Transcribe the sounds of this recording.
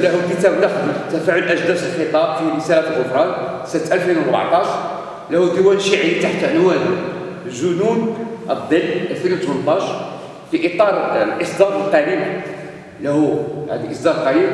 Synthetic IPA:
læhukət̪æbnɑxd̪əət̪ːæfaʕʊlʔæʒd̪æsəlxət̪ˤɑbfiɾəsælæt̪lʔəfɾˤɑn | sənt̪ʔælfinwɾˤba̰ʕt̪ˤɑʃɾ | læhud̪əwænʃiʕjit̪aħt̪nwæd̪ | lʒʊnunʔəd̪ˤəlːʔælfinwt̪mənt̪ˤɑʃ | fiʔit̪ˤɑɾˤlʔəsˤd̪ɑɾˤəlq̪æɾim | læhuhæ̰d̪iʔəsˤd̪ɑɾˤq̪ɑjim

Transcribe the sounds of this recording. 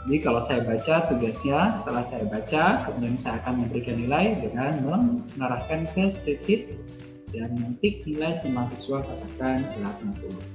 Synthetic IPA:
d͡ʒadikalasajabat͡ʃat̪uɡasɲasə̥t̪əlahsajabat͡ʃakəmudiansajaːkanməmbəɾikanːilajdəŋanməŋŋəɾahkankəspɾit̪sɪt̪̚ | danmənt̪ɪk̚nilajsəmasɛksualkat̪akanbəlat̪̚mat̪u

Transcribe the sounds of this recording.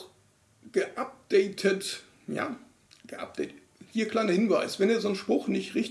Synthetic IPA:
ɡ̥əʔap̚d̥ɛɪtʰət | ja̰ː | ɡ̥əʔa̰p̚d̥ɛɪt | hiːɐkl̥aɪnɐhɪnvaɪsv̥ɛneːɐzoːnʃpʁ̥ʊxnɪçtʁɪçt

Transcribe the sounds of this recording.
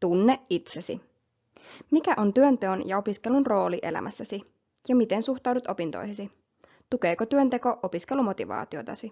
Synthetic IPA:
t̪unːeʔit̪sesḭ | mikæʔo̞nt̪yønt̪eonjɑo̞piske̞lunro̞ːliʔe̞̰læ̰mʔæsːæsi | jɑmit̪ensuxt̪ɑwdut̪o̞pint̪o̰jɦesi | t̪uke̞ːkot̪yønt̪e̞ko̞ʔopiske̞lumo̞t̪iʋɑ̰ːt̪iot̪ɑsi

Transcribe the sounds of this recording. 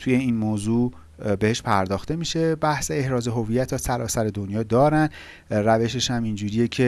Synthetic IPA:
t̪ʰuːje̞iːnmoːzuː | be̞heʃpʰæɾd̪ɒːxt̪e̞miʃe̞bæhseehɾɒːze̞ɦo̞vijæt̪ʰːɒsæɾɒːsæɾe̞d̪o̞njɒːd̪ɒːɾænd̪ | ræve̞ʃeʃhæmind͡ʒuːɾije̞cʰe̞

